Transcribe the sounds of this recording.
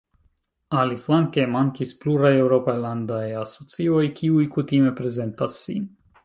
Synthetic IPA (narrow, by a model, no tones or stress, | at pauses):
aliflaŋkemaŋkispluɾaje̞wɾo̞pajlandajaso̞t͡sio̞jkʰiujkutime̞pɾe̞ze̞ntasːi